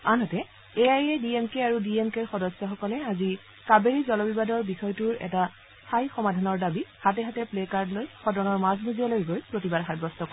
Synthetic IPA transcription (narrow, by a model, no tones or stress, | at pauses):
anɦɔtɛ | eajediemkeaɹudiemkeɹxɔdɔsːɔxɔkɔlɛazi | kabeɹizɔlɔbibadɔɹbixɔjtuɹɛ̰ta | stʰajxɔmadʱanɔɹdabihatɛɦatɛplekaɹdlojxɔdɔnɔɹmaznuziɔlojɡojpɹotibadxad̚bɔstɔkɔ